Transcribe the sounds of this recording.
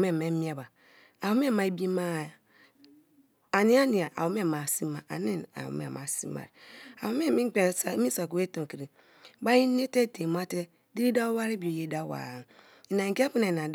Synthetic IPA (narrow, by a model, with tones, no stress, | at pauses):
m˦e˦˨me˦mi˦a˨ba˨ | a˨wo˨˦me˦˨ma˨bi˦ma˦˨ | a˨ni˦a˦ni˨a˨ʔa̰˨wo˨me˦˨ma˨si˦ma˨a̰˨ne˦na̰˨wṵ˨mḛ˦˨ma̰˨sḭ˦ma̰˨ɾa̰˨wo˦me˦˨mi˦k͡pe˦˨sa˨˦i˦sa˨ko˨we˦to˨ki˨ɾi˨ | ba˦ji˦ne˦te˦te˨m˦a˦te˦ | di˦ɾi˦da˦wa˦ɾe˦bi˨o˨je˦da˦wa̰˨n | i˨na˨i˨ki˦a˦pu˦na˨na˨d